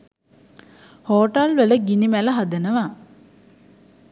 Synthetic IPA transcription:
hoːʈalʋələɡinimæləɦad̪ənəʋa

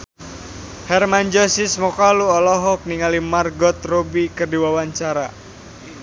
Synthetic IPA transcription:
hɛrmaɲd͡ʒɔsismɔkaluɔlɔɦɔk̚niŋalimarɡɔt̪robikərdiwawaɲt͡ʃaɾa

